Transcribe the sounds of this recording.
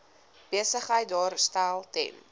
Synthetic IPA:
b̥iəsəχəjt̚dɑːɾstælˠtɛ̰n

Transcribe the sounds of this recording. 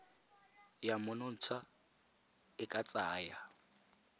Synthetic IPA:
jamʊnʊn̩t͡sʰa | ɪkʼat͡sʼaːja

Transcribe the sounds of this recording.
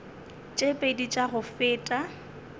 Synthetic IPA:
t͡ʃʼepʼedit͡ʃʼaɣʊfɪːtʼa

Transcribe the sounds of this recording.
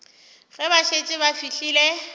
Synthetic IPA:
ɣɪbaʃet͡ʃʼɪβafiɬiːle

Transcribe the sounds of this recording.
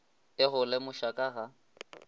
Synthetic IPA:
ɪɣʊlɛmʊʃakʼaɣa

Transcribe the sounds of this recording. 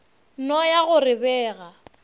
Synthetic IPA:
nɔjaɣʊrɪbɛːɣa

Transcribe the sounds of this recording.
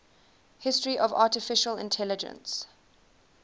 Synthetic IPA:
hɪstɹiʔɔvɑːˑtɪfɪʃəlɪ̰̃ntʰɛlɪd͡ʒə̰̃ns

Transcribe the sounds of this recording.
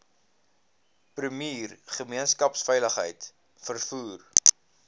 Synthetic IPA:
prəmiːrχəmiənskɐpsfəjləχɦə̰jt | fərfuːr

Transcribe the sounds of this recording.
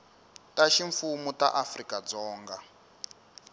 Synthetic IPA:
taʃiɱfumuta̰ʔafrikad͡zɔːŋɡa

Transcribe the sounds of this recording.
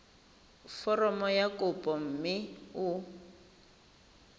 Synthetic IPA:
fɔrɔmɔjakʼʊpʼɔm̩mɪʊ

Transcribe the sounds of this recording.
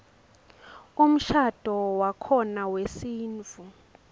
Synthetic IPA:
um̩ʃad̥ʱɔwakʰɔnawesiːnt͡fu

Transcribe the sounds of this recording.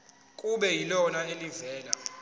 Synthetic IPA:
kʼuɓɛjilɔnaelivɛːla

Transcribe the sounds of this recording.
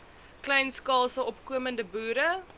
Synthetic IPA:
klɛjnskɑːlˠsəɔpkuəməndəbuːɾə

